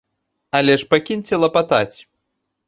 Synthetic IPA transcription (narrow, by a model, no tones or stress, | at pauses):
alʲɛʂpakʲinʲt͡sʲɛlˠɐpat̪at͡sʲ